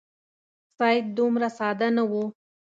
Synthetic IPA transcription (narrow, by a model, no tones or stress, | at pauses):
sɑjt̪̚d̪umɾasɑd̪anawu